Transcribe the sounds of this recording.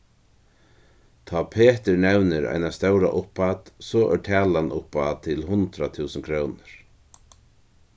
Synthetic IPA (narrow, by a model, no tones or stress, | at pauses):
t̪ʰaːpʰeːt̪ɪɹnɛwnɪɾa̰jnast̪œwɾa̰ʔʊhpat̪sɔːʔɛʈʰɛːlanʔʊpːat̪ʰɪlɦʊnt̪ɾat̪ʰuːsəŋkʰɾoːwnəɾ̥